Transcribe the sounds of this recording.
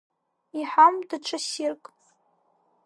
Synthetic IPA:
iħamdɨʈ͡ʂʷʰasirkʼ

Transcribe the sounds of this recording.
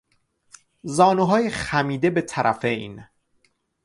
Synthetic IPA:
zɒːnuɦɒːjexæmiːd̪e̞be̞t̪ʰæɾʔæ̰fe̞jn

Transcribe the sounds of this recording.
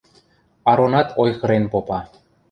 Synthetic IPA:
ɑɾonɑt̪ʰojxɤ̆ɾenpopɑ

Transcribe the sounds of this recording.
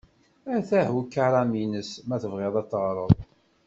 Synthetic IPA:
æɾθæhukːaɾˤɑminəsmæθəvʁɪðˤæt͡sːəʁɾˤəðˤ

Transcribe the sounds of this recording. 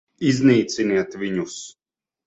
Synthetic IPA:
izniːt̪siniɛt̪vʲiɲus

